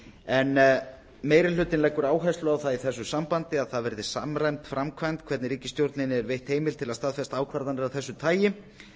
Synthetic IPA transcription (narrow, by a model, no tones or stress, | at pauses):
ɛn | meːjɾɪl̥ʏːt̪ɪnlɛkːʏɾaːwɦajst̪lʏawθaðiθɛs̬ːʏsampant̪ɪaðθaðvɛɾðɪsa̰mrajmt̪fɾamkʰvajnt̪kʰvɛɾt̪nɪɾiːcɪ̥st̪jowɾt̪nɪnːɪɛɾvejht̪heːjmɪlt̪ʰɪlast̪aðfɛst̪aːwkʰvaɾðanɪɾawθɛsːʏt̪ʰaːjɪ